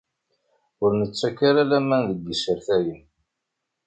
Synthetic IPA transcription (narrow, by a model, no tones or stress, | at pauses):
ʊɾnət͡sːækːaɾalæmænðəɡːəsəɾθæjən